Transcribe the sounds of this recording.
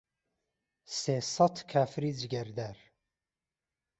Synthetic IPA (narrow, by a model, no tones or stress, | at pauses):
seːsɑt̪kʰaːfɾiːd͡ʒɡɛɾd̪æɾ